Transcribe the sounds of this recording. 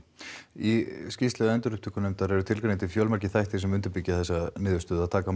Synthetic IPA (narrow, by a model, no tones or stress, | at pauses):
iscist̪lɛðʏɛnt̪ʏɾʏhpt̪ʰʏkʏnejmt̪aɾɛɾʏt̪ʰɪlkɾent̪ɪfjɔwlmaɾcɪθajht̪ʰɪsɛmʏnt̪ʏɾpicːaθɛsːanɪːðʏst̪ʏːðaðt̪ʰaːka